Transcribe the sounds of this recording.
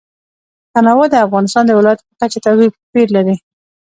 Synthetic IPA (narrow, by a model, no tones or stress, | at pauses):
t̪anawad̪əafɣɑnɪst̪ɑnd̪əwɪlɑjat̪pəkat͡ʃat̪awibpeɾlaɾi